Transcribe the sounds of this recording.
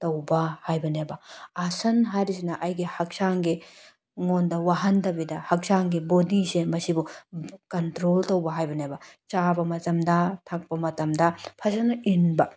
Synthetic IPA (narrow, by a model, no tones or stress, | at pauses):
tɐwbahajbɐnebaasɐnɦaɾisinaʔɐjɡehɐksaːŋɡe | ŋond̪ɐwɐɦɐnt̪ɐbid̪ɐhɐk̚saŋɡebod̪isemɐsibɔkɐntɾolt̪ɐwbɐɦajbɐnebat͡ʃaːbɐmɐtɐmd̪ɐt̪ʰɐk̚pɐmɐtɐmd̪ɐpʰɐsɐnɐinbɐ